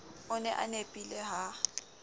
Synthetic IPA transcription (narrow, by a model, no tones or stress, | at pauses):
ʊnɛʔa̰nepʼilɛɦa